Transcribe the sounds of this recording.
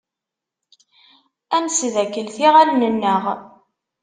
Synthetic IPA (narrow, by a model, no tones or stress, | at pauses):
ænsðækːəlθiʁælnənːəʁ